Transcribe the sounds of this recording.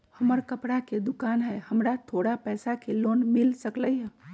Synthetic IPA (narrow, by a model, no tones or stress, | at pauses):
hɐməɾkəpɽaked̪ʊkaːnɦɛːhɐmɾat̪ʰoːɽapɛːsakeloːnmɪlsəkləiɦɛː